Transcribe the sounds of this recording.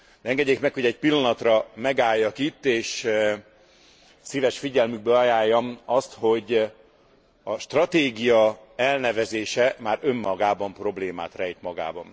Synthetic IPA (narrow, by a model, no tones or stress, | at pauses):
d̪̥ɛɛŋɡɛɟːeːkmɛkho̞ɟɛc̚pilːɒnɒt̪rɒmɛɡaːjːɒkit̪ːeːʃ | siːvɛʃfiɟɛlmyɡ̚bøɒjaːjːɒmɒst̪ho̞ɟ | ɒʃt̪rɒt̪eːɡijɒ | ɛlnɛvɛzeːʃɛmaːɾø̞mːɒɡaːbɒmpro̞bleːma̰ːt̪rɛjt̪mɒɡa̰ːbɒm